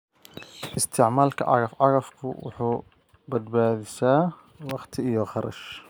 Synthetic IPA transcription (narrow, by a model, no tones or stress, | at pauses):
ʔɪst̪ʰɪʕmaːlkʰɐ̰ʕʔɑ̰ɣɐfʕɑɣɐfkʰʊ̰wʊ̰ħuː | bɐd̪baːðɪsaː | wɑqt̪ʰɪijɔχɑɾʔɐ̰ʃ